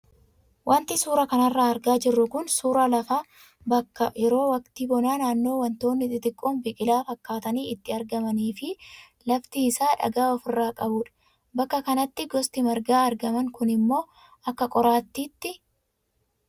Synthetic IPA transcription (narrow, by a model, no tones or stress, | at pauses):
wʔɐnt̪ɪsuːɾɐkɐnɐrːaːɐɾɡaːd͡ʒɪrːʊkʊnsuːɾɐlɐfaː | bɐkːɐjɛɾo̞ːwɐkt̪iːbɔnaːnaːnːo̞ːwɐnt̪o̞ːnːɪt̪ʼɪt̪ʼɪkʼːoːnbɪkʼɪlaːfɐkːaːt̪ɐniːɪt̪ːɪɐɾɡɐmɐniːfɪ | lɐft̪iːsaːᶑɐ̰ɡaːɔfɪrːaːkʼɐbʊᶑɐ̥ | bɐkːɐkɐnɐt̪ːɪɡɔst̪ɪmɐɾɡaːɐɾɡɐmɐŋkʊnɪmːo̞ː | ɐkːɐkʼɔɾaːt̪ːiːt̪ːɪ